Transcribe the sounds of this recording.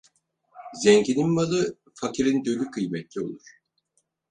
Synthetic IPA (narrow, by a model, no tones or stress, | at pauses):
zɛɲɟininmalˠɯ | facʰiɾind̪ølʲykʰɯjmɛt̪lʲio̞̰lˠuɾ̥